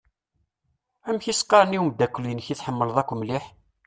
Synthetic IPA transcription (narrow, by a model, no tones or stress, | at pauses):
æmçisqɑɾˤniwumd̪ːækʷːlinçiθħəmːəlðˤækʷːmliħ